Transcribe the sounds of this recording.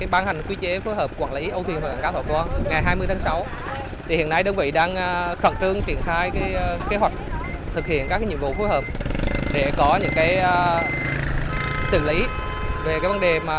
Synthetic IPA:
kaː˨˦jɓaː˧nha˨˩jŋ̟kwi˧t͡ɕe˨˦foː˨˦jɦəː˨˩p̚kwaː˧˩nlḭ˨˦ʔə˧wt̪ʰwnhw̚ːa̰ː˧˨˩kaː˧˦t̪ʰo˧˩jkwaː˧ŋa˨˩jɦaː˧jmɨ˧əjt̪ʰaː˨˦ŋsa˨˦w | t̪ʰi˨˩hḭ˧˨ənːa˧jɗəː˧nvḭ˧˨ɗaː˧ŋː˧xə̰˧˨˩nt͡ɕɨ˧əŋt͡ɕḭ˧˩ənxaː˧jkaː˨˦jke˨˦ɦwa˨˩k̟̚ | t̪ʰɨ˨˩k̚hḭ˧˨ənkaː˧˦˥k̚aː˨˧˦ɲḭ˧˨vṵ˧˨˩xoː˨˦jɦəː˨˩p̚ɗe˧˩kɔ˨˦ɲɨ̰˧˥ŋkaː˨˦jəː˧ | sɨ̰˧˩lḭ˧˨˦ | ve˨˩kaː˨˦jvə˨˧˦nɗe˨˩maː˨˩

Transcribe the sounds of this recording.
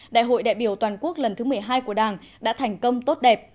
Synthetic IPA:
ɗa̰ː˧˨jɦo̰˧˨jɗa̰ː˧˨jɓi˧˩əwt̪waː˨˩nku˦˥ək̚lə˨˩nt̪ʰɨ˨˦mɨ˨˩əjɦaː˧jku˧˩əɗaː˨˩ŋ | ɗa̰ː˧˥t̪ʰɛ˨˩jŋ̟kə˧wŋ͡mt̪o˦˥t̚ɗɛ˨˩p̚

